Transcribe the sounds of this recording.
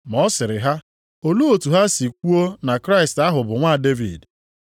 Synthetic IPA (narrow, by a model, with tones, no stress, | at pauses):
mɔ˦sɪ˨ɾɪ˨ɦa˦ | o˨lu˦o˨tu˨ɦa˦si˨k̚ʷu˦o˦na˨kɾa˦ɪ˨sta˦ɦʊ˨bʊ˨ŋʷa˦˨de˦vḭ˨d